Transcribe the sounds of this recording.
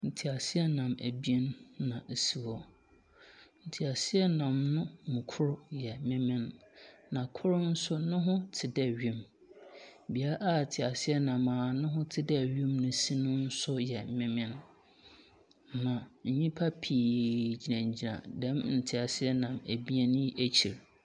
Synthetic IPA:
n̩˨tʰɪ˨a˨sɪ˦ɛ˦nã˨mæ̰˨bnːã˨si˦wɔ˦ | n̩˨tʰɪ˨a˨sɪ˦ɛ˦nã˨mnʊ̃˦mũ˨kʰʊ˦ɾʊ˦jɛ˨˦mɪ̃˦mɪ̃˦nnã˨kʰʊ˦ɾʊ˦n̩˦sʊ˦nʊ̃˦ɦʊ̃˦tʰɪ˨dɛ˨ɥĩ˦m | bi˨a˦ʔa˦˨tʰɪ˨a˨sɪ˦ɛ˦nã˨mãː˨nʊ̃˦ɦʊ̃˦tʰɪ˦dɛ˦˨ɥĩ˦mnʊ̃˨si˦nʊ̃˦n̩˦sʊ˦jɛ˨mɪ̃˦mɪ̃˦n | nã˨ɲ̩˨ɲĩ˦pʰa˦pʰiː˨d͡ʑi˨nã˨ɲ˨d͡ʑi˨nã̰˨dɛ̃˦mn̩˨tʰɪ˨a˨sɪ˦ɛ˦nã˨mæ˨bi˦ɛ˦ñ˦ji˦ʔæ˦t͡ɕʰi˨ɾ

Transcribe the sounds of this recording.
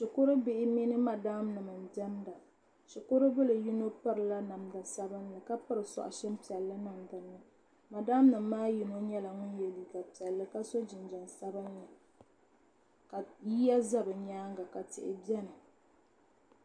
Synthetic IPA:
ʃɪ˨kʊ˦ɾɨ˦bɪ˦ʔɪ˦mi˦nɨ˦ma˨da˦mnɨ˨mɨ˨n˨dɛ˦mda˨ | ʃʊ˨kʊ˦ɾɨ˦bɨ˦lɨ˨ji˦no˦pɨ˦ɾɨ˨la˦na˨mda˨sa˦bɨ˦nlɨ˨ka˦pɨ˦ɾɨ˨sɔ̰˨ʔʊ̰˨ʃɛ˦mpi˨ɛ˨lːɨ˦nɨ˨mdɨ˨˦nːɨ˦ | ma˨da˦mnɨ˨mːaː˦ji˨no˦ɲɛ˦la˨ŋʊ˦njɛ˨li˨ɡa˨pi˨ɛ˨lːɨ˦ka˦so˦d͡ʒɪ˨nd͡ʒɛ˨nsa˦bɨ˦na˨ | ka˨ji˦ja˦za˦bɨ˨ɲaː˦ŋɡa˨ka˨tɪ̰˨ʔɪ̰˨bi˦ɛ˦nɨ˨

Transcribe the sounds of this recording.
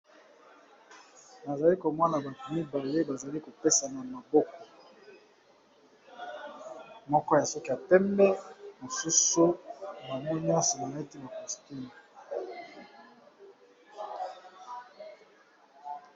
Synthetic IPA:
na˨za˨li˦ko˨mɔ˦na˨ba˨tu˨mi˦ba˨le˦ba˨za˨li˦ko˨pe˦sa˨na˨ma˨bɔ˦kɔ˨ | mɔ˦kɔ˦ja˨sɔ˦ki˨ja˨pɛ˦mbɛ˦mo˨su˦su˦ba˨mɔ˦ɲ˦ɔ̃˦nso˨na˨e˦ti˦ba˨ko˨sti˦m˨

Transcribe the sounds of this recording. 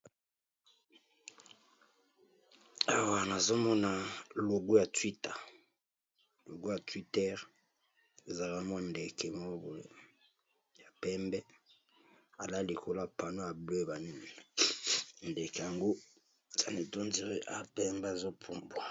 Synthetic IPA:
a˨wa˨na˨zo˦mɔ˦na˨lo˨ɡu˦ja˨twi˦ta˨ | lo˨ɡo˦ja˨twi˦tɛ˦ʁ | e˨za˨ka˦mɔ˦nde˨kɛ˨mo˦bo˨˦ | ja˨pɛ˦mbɛ˦ | a˨la˦li˨ko˨la˦˨pa˨no˦a˨bwe˦ba˨ni˦ni˨ | nde˨kɛ˨ja˨ŋɡo˦˨ | za˨ne˨to˦nzi˨ʁe˦ʔa˦˨pɛ˦mbɛ˦a˨zo˦pʰu˦mbwa˨

